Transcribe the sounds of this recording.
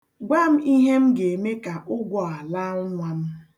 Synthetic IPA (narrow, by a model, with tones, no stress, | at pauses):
ɡʷa˦˨m̩˦i˦ɦe˦m̩˦ɡe˨me˦ka˨ʔʊ˦ɡʷɔ˨a˨la˦ŋʊ˦ŋʷa˨m̩˦